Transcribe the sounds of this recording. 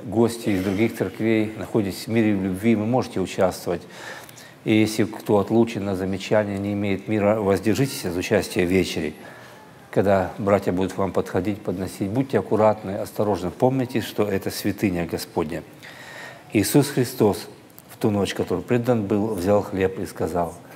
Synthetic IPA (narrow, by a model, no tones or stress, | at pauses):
ɡo̞sʲtʲɪɪzd̪ɾʊɡʲixt̪sɨrkvʲejnɐxo̞dʲɪtʲɪ̥sʲvmʲiɾʲɪvlʲʊbʲvʲimɨmo̞ʐɨtʲɪʊt͡ɕast̪vəvətʲ | ijesʲlʲɪkt̪o̞ɐt̪lˠut͡ɕɪnːɐzəmʲɪt͡ɕænʲɪjənʲɪɪmʲejɪt̪mʲiɾəvɐzʲdʲɪrʐɨtʲɪ̥sʲzʊt͡ɕæsʲtʲɪjəvʲet͡ɕɪɾʲɪ̰ | kɐɡd̪abɾatʲjəbud̪ʊt̪vampət̪xɐdʲitʲpəd̪nɐsʲitʲbud̚ʲtʲɪɐkʊɾat̪nɨɐst̪ɐɾo̞ʐnɨpo̞mnʲɪtʲɪʂt̪o̞ɛt̪əsʲvʲɪt̪ɨnʲəɡɐspo̞dʲnʲə | iːsusxɾʲɪst̪o̞s | ft̪uno̞t͡ɕkɐt̪o̞ɾɨpɾʲed̪ənbɨlˠvzʲalˠxlʲe̞piskɐzalˠ